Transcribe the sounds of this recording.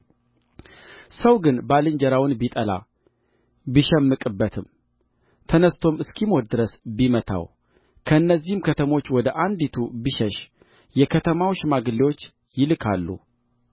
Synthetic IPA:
səwɡɨnbalɨɲd͡ʒəɾawɨnbit̪ʼəla̰ | biʃɛmːɨkʼɨbːət̪ʰɨm | t̪ʰənəst̪ʰo̞mɨskʰimod̪d̪ɨɾəsbimət̪ʰa̰w | kʰəɨnːəzːihmkʰət̪ʰəmo̞t͡ʃːwɔd̪əʔand̪it̪ʰubiʃɛʃ | jɛkʰət̪ʰəmawʃmaɡɨliwo̞t͡ʃː | jɪlɨkʰa̰lːṵ

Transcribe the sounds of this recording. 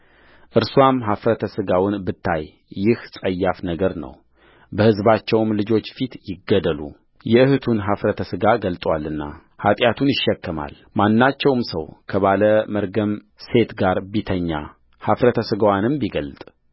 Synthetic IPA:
ʔɨɾswamɦafɾət̪ʰəsɨɡawʊnbɨt̪ʰːajː | ɪhsʼəjːafnəɡəɾnə̰w | bəhɨzbat͡ʃːɛwmlɨd͡ʒo̞t͡ʃːfit̪jɪɡːəd̪əlṵ | jɛɨhɨt̪ʰunɦafɾət̪ʰəsɨɡaɡəlt̪ʼwalːɨnːa̰ | hat̪ʼjat̪ʰunjɪʃːɛkːɨma̰l | manːat͡ʃːɛwmsə̰wkʰəβaləməɾɡəm | se̞t̪ɡaɾbit̪ʰəɲːa̰ | hafɾət̪ʰəsɨɡəwanɨmbiɡəlt̪ʼ

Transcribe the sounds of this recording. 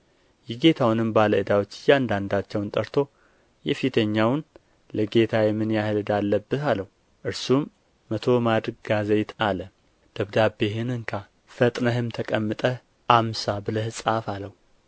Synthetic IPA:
jɛɡe̞t̪ʰawnɨmbaləɨd̪awot͡ʃːɪjand̪and̪at͡ʃːɛwnt̪ʼəɾt̪ʰo̞ | jɛfit̪ʰəɲːawn | ləɡe̞t̪ʰajɛmːɨnjahɨlɨd̪alːəbːɨt̪aləh | ʔɨɾsumː | ət̪ʰo̞mad̪ɾɨɡ̚ɡazejt̪ʰalə | d̪̥əβd̪abehɨnɨŋkʰa | fət̪ʼnəɦɨmt̪ʰəkʼəmːɨt̪ʼə | ʔamsabɨləhɨsʼafaləhu

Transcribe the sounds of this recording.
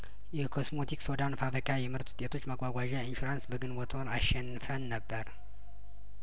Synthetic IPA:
jɛkʰo̞smot̪ʰiksod̪anfafəkʼajɛmɨɾt̪ʰʼu̥t̪ʼet̪ʰo̞t͡ʃːmakʼʷwaɡʷaʒainʃuɾansbəɡɨnwot̪ʰonaʃːɛnɨfənːəbːəɾ

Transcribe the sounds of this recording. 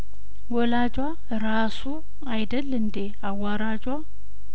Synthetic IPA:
wɔlad͡ʒʼwa | ɾasu | ajd̪əlːɨnd̪e | awaɾad͡ʒwa

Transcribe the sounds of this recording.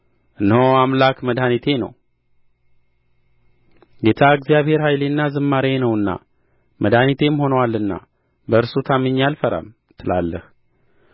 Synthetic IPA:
ʔɨnhoamlakməd̪anit̪ʰe̞nə̰w | ɡet̪ʰaɨɡzijaβhe̞ɾhajlenːazɨmːaɾenəwɨnːa̰ | mʔəd̪anit̪ʰe̞mho̞nəwalːɨnːa̰ | bəɨɾsut̪ʰamɨɲːalfəɾa̰m | t̪ʰɨla̰lːə̰h

